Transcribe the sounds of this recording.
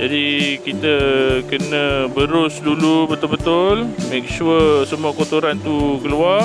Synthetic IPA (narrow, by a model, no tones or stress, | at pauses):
d͡ʒadikit̪əkənə̃bəɾʊsdulubət̪ʊlbət̪ʊlmẽk̚ʃuəsəmuakot̪oɾant̪ukəluar